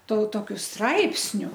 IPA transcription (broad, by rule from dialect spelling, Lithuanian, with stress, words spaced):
toː toːˈkʲʊ ˈstrɐɪpʲsʲnʲʊ